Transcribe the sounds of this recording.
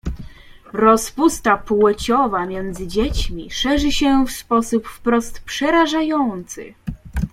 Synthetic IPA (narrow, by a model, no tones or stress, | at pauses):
ɾɔspust̪apwɛt͡ɕɔvamʲjɛnd̪zɘd͡ʑet͡ɕmʲiʂɛʐɘɕɛfspɔsupfpɾɔst̪pʂɛɾaʐajɔnt̪sɘ̰